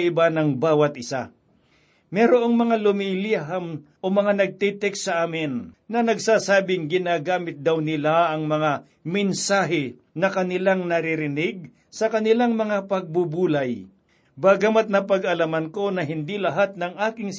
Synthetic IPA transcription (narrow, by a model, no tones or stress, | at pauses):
ʔɪbanɐŋbaːwɐt̪̚ʔɪsa | mɛːɾoʔoŋmɐŋalʊmiliɦamʔomɐŋanɐɡ̚t̪ɛt̪ɛksɐʔaːmɪnːɐnɐɡsaːsaːbɪŋɡɪnaːɡaːmɪt̪̚d̪awnɪlaʔɐŋmɐŋa | mɛnsaːɦɪ | nɐkɐnɪlaŋnɐɾɪɾɪnɪɡ̚ | sɐkɐnɪlaŋmɐŋapɐɡ̚bubuːlaj | baːɡamat̪̚nɐpɐɡɐlamɐnko̞nɐɦɪnd̪ilɐɦat̪̚nɐŋʔaːkɪŋ